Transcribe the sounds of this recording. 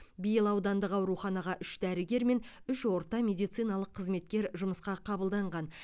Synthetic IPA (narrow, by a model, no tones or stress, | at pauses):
bijɪlˠɑwd̪ɑnd̪əqɑwɾuχɑnɑʁɑʔʏʃd̪æɾɪɡʲe̞ɾme̞n | ʏʃwo̞ɾt̪ɑmʲe̞d̪ijt̪sɨjnɑlˠəqʰːəzme̞t̪̚kʲe̞ɾʒʊməsqɑqʰɑbəlˠd̪ɑɴʁɑn